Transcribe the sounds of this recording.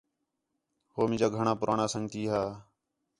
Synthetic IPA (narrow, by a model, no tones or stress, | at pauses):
hoːmɪ̃ːd͡ʒaːɡʱəɳãːpʊɾʔaːɳaːsəŋt̪iːɦaː